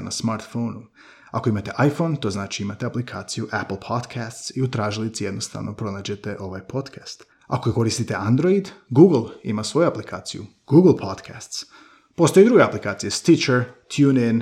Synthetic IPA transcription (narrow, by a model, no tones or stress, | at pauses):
nasmaɾt̪foːnu | a̰ko̞imat̪e̞ʔajfo̞nt̪o̞znaːt͡ʃiimat̪eaplikʰa̰ːt̪sijuʔapl̩ˠpʰod̪kʰast̪siut̪ɾaːʒilit̪sijed̪no̞st̪a̰ʋnopɾo̞naːd͡ʑe̞t̪e̞ʔo̞ʋajpʰo̞d̪kʰast̪ | a̰ko̞ko̞ɾist̪it̪e̞ʔand̪ɾo̞id̪ɡuɡl̩ˠḭmasʋo̞juaplikʰa̰ːt̪sijṵ | ɡ̥uɡl̩ˠpʰod̪kʰast̪s | po̞st̪o̞jed̪ɾuɡeaplikaːt̪sijest̪it͡ʃeɾt̪ʰjuːnɛn